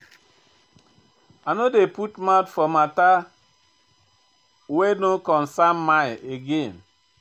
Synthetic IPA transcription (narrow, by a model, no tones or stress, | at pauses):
anodeputmaʊtfɔmata | wenokɔnsammajeɡen